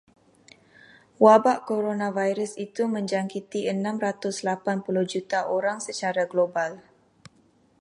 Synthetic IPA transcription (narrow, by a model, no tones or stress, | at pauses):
wabaʔkoɾonãvajɾəsit̪umə̃ɲd͡ʒaŋkit̪iʔənãmɾat̪ʊslapanpulʊhd͡ʒut̪aʔoɾaŋsət͡ʃaɾaɡlobal